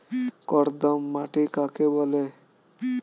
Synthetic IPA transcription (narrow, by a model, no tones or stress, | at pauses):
kɔɾd̪əmːaʈikakebɔle